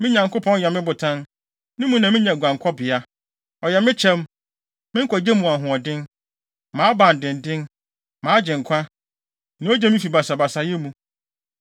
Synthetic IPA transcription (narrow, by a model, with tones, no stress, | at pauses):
mɪ̃˦ɲã˨ŋkʰʊ˦pʰɔ̃˦n˦jɛ˨mɪ̃˦bʊ˨tʰã˦n | nʊ̃˦mũ˦nã˨mɪ̃˦ɲã˨ɡʷã˨ŋ˨kʷʰɔ˦bɪ˨a˦ | ɔ˨jɛ˨mɪ̃˦t͡ɕʰɛ̃˦m | mɪ̃˦ŋ̩˦kʰɔ˨d͡ʑɛ˦mũ˨a˨ɦʊ̃˨ɔ˨dɪ̃˦n | mãː˨˦bã˨n̩˨dɪ̃˨n˨dɪ̃˦n | mãː˨˦d͡ʑɪ̃˨ŋ̩˨kʷʰã˦ | nĩ˦o˦d͡ʑɛ˦mĩ˦fi˨ba˨sa˨ba˨sa˨jɛ˦mũ˨